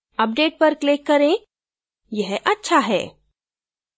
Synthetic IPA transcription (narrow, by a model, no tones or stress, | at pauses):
ɐp̚ɖeːʈ̚pɐɾklɪkːɐɾẽ | jɛɦʔɐtːʃʰaɦɛ̰ː